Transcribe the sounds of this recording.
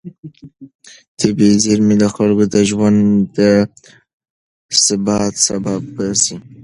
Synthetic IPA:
t̪ʰebeziɾmid̪əxalɡod̪əʒwand̪ə | sɪbɑt̪sabab̚basi

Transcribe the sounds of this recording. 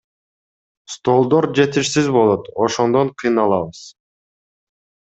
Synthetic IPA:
st̪o̞lˠd̪o̞ɾd͡ʒe̞t̪iʃsizbo̞lˠo̞t̪oʃo̞nd̪oɴqʰijnɑlˠɑβɯz̥

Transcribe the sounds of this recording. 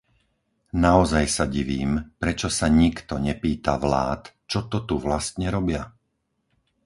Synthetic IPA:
naɔzajsaɟiʋiːmpɾɛt͡ʃɔsaɲikt̪ɔɲɛpiːt̪a̰ʋla̰ːt̪ | t͡ʃɔt̪ɔt̪uʋlast̪ɲɛɾɔbɪa

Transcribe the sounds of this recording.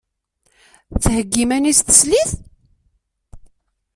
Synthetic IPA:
θhəɡːimænisθə̥sliθ

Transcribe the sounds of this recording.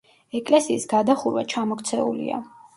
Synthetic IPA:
ɛkʼlɛsiːsɡad̪aχuɾwat͡ʃʰamɔkʰt̪sʰɛ̰ṵlḭa̰

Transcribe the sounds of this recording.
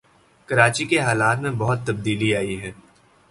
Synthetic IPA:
kɐɾaːt͡ʃikeɦaːlaːt̪mẽbɔɦʊt̪ːɐb̚d̪iːliaːiɦɛː

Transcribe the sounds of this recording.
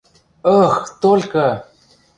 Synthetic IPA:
əxt̪olkə

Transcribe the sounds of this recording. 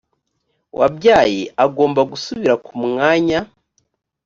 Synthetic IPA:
wʔa̰bɟaːje̞ʔaɡo̞ːmbaɡusuβiɾakumŋaːɲa

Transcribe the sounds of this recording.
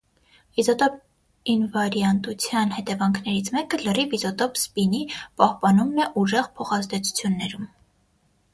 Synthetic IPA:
vizɔt̪ɔp̚ | invɑɾjɑnt̪ut͡sʰjɑnhɛt̪ɛvɑŋkʰnɛɾit͡sʰmɛkələrivizɔt̪ɔpspinipɑhpɑnumnɛʔuʒɛʁpʰɔχɑzd̪ɛt͡sʰu̥t͡sʰjunːɛɾum

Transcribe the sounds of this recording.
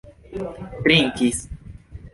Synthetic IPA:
t̪ɾiŋkis

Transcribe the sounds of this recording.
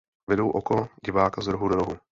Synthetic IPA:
vɛdowʔokoɟɪvaːkazd̪ɾoɦudoɾoɦu

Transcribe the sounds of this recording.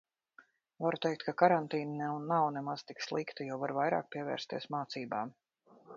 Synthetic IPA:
vaɾut̪ɛjk̚t̪̚kakaɾant̪iːnanɛwnawnɛmaz̥t̪ikslˠikt̪ajawvaɾvajɾa̰ːk̚pʲiɛvɛ̰ːɾst̪iɛsmaːt̪siːbaːm

